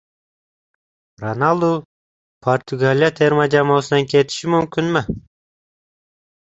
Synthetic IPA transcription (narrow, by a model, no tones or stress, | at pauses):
ronalˠdu | pʰort̪ʰuɡalʲijat̪ʰeɾmad͡ʒamoːsɯnɑŋket̪i̥ʃimymkynme